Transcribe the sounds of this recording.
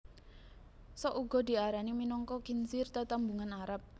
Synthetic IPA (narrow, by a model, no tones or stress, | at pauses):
sɔʔuɡ̥ɔ̤d̪i̤aɾaniminɔŋkɔkinsɪrt̪ət̪ambuŋanaɾap̚